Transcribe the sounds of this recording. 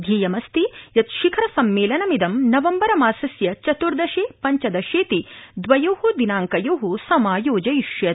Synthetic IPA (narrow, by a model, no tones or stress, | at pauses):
d̪ʱjiːjɐmɐst̪ijɐt̪ʃikʰɐɾɐsɐmːeːlɐnɐmid̪ɐmnɐʋɐmbɐɾɐmaːsɐsjɐt͡ʃɐt̪uɾd̪ɐʃeːpɐɲt͡ʃɐd̪ɐʃeːt̪id̪ʋɐjoːhud̪inaːŋkɐjoːɦusɐmaːjoːd͡ʒɐjiʃjɐt̪